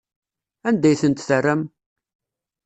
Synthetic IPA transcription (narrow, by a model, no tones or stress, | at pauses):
ænd̪æjθənt̪θərːæm